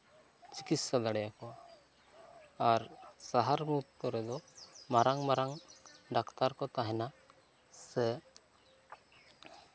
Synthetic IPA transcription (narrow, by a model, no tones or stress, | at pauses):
t͡ʃi̥kit̪sad̪aɽɛjakɔa | aɾsaɦaɾmut̪ːɔɾɛd̪ɔmaɾaŋmaɾaŋɖakt̪aɾkɔt̪aɦɛna | sɛ